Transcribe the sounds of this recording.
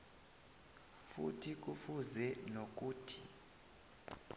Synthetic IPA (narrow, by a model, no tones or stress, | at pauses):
fṵtʰik̬ufuzɛnok̬ʼuːtʰi